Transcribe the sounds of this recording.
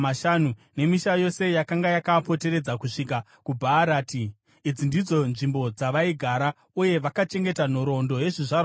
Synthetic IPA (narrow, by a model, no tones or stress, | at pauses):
maʃanune̞miʃajo̞se̞jakaŋɡajakapo̞te̞ɾe̞d͡zakuʂika | kubʱaɾaːtiː | d͡zindid͡zo̞nʐimbo̞d͡zaʋaiɡʱaɾa | uje̞ʋakat͡ʃe̞ŋɡe̞tan̤o̞ɾo̞ndo̞je̞ʐiʐar